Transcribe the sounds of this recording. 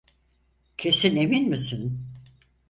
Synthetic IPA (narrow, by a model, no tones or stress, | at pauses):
cʰe̞sine̞minmisin